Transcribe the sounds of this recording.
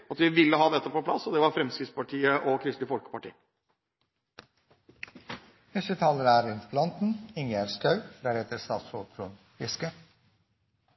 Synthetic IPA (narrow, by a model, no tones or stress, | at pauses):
ɑt̪ʋɪʋɪlːəɦɑːd̪ɛt̪ːəpɔpʰlɑ̰sːɔd̪ɛʋɑɾfɾɛmskɾɪtspɑʈʰiːəʔɔkʰɾɪst̪ɪfɔlkə̥pɑʈḭː | ʋɛsət̪ʰɑːləɾæːɾɪnplɑnt̪n̩ɪŋæɾskɑʉd̪æːɾheːt̪əɾst̪ɑ̰ːt̪sɾok̪ʰɾṵn | fɪskə